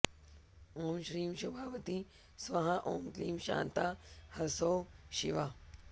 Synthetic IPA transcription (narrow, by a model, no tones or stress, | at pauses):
oːmɕɾiːmɕubʱaːʋət̪i | sʋɐɦãʔoːmk̪liːmɕa̰ːnt̪ahɐsoɕḭʋa